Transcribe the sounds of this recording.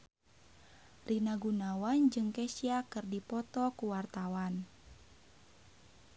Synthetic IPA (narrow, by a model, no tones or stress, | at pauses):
rinaɡunawand͡ʒɨŋkɛsiakɨrdipɔt̪ɔkuwart̪awan